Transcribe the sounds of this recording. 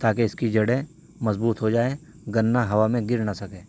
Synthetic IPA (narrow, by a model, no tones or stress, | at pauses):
t̪aːk̬eɪskid͡ʒɐɽẽ | mɐzbuːt̪ɦod͡ʒaːe | ɡɐnːaɦɐʋamẽɡɪɾnasɐkẽː